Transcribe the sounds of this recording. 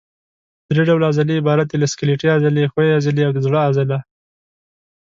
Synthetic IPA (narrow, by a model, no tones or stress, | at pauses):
d̪̥ɾeɖawlazaliɪbɑɾat̪̚d̪elaskɪleʈiazalexoeazəleawd̪əzɽaazɪla